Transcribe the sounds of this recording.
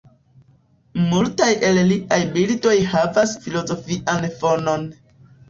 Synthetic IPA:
multajʔe̞lliʔajbilto̞jhavasfilo̞zo̞fiʔanfo̞no̞n

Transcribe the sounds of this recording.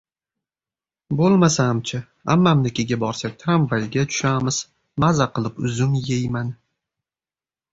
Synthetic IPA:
bolˠmasamt͡ʃʰɪ | amːamnɪkʲʰɪɡʲabɒɾsak̚ʲt̪ʰɾamvajɡʲat͡ʃʰʊ̥ʃamɪz̥ | mazaqɨlˠɪpʊzʊmjejman

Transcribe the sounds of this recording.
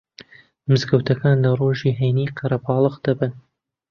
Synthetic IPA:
mɨzɡɐwt̪ʰɐkʰaːnlɐroʒiɦejniːqʰɐɾɐbʰɑːlˠɨqd̪̥ɐbɨn

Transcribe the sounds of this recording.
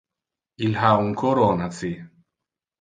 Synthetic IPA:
ilɦauŋkʰoɾonat͡si

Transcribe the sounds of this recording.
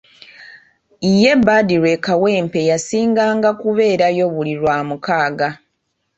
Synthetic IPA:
ije̞bːaːdiɾwe̞kawe̞ːmpe̞jasiːŋɡaːŋɡakuβe̞ːɾajo̞βuliɾwaːmukaːɡa

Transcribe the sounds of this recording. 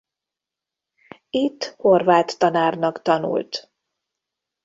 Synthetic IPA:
it̪ːhorvaːt̪ːɒnaːrnɒkt̪ɒnṵlt̪

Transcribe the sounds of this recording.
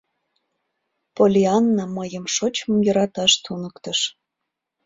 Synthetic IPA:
polʲiɑnːɑməjəmʃot͡ɕmɤmjəɾɑt̪ɑʃt̪unəkt̪əʃ

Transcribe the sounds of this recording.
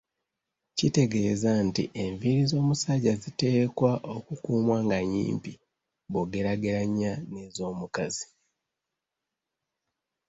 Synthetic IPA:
cite̞ɡe̞zantḭʔe̞ɱviɾizo̞ːmusaɟazite̞ːkwaʔo̞kukuːmwaːŋɡaɲḭːmpi | βoɡe̞ɾaɡeɾaɲːane̞ːzo̞ːmukazi̥

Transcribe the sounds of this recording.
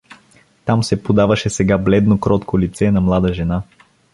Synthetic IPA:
t̪amsɛpod̪avɐʃɛsɛɡablɛd̪nokɾɔt̪kolit̪sɛnɐmlˠad̪əʒɛna

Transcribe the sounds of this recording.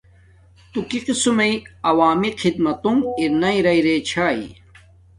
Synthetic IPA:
t̪ukiqisumɐiɐwaːmiqʰid̪mɐt̪umiɾnɐiɾɐiɾeːt͡ɕʰaːḭ

